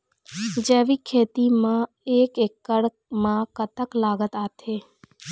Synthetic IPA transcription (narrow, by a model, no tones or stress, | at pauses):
d͡ʒeʋikʰeːt̪imã | ekekːəɽ | mãkət̪əklaɡət̪at̪ʰe